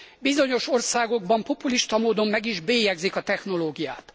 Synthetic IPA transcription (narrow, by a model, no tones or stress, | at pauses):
bizo̞ɲo̞ʃo̞rsaːɡo̞ɡbɒmpo̞puliʃt̪ɒmoːd̪o̞mːɛɡiʒbeːjɛɡzikɒt̪ɛxno̞loːɡija̰ːt̪